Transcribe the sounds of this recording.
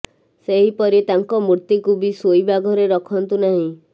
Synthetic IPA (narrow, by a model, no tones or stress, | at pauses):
seɦipɔɾit̪aŋkɔmuɾt̪ikubisojbaɡʱɔɾeɾɔkʰɔnt̪unaɦĩ